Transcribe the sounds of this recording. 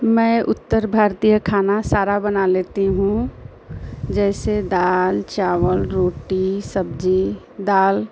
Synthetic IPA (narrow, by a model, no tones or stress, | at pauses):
mɛ̃ːʔʊt̪ːəɾbʱaːɾt̪ijəkʰaːnasaːɾabənaleːt̪iɦũ | d͡ʒɛːsed̪aːlt͡ʃaːʋəlɾoːʈisəbd͡ʒi | d̪aːl